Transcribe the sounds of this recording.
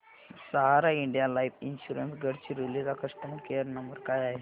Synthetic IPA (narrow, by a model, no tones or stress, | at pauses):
saɦaɾaiɳɖijalaipinɕuɾənsɡəɽt͡ɕiɾilid͡zakəʂʈəmkejəɾnəmbəɾkajaɦe